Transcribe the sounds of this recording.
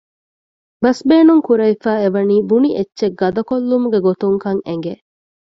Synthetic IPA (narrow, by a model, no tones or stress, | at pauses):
bɐsbeːnuŋkuɾɐifæːeʋɐniːbuniʔetːʃeɡɐd̪ɐkolːumuɡeɡot̪uŋkɐŋeŋɡe